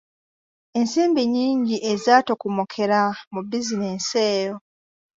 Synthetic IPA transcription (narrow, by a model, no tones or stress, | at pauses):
e̞nseːmbeɲiːɲɟiʔezaːtokumokʰe̞ɾamubizineːnseːjo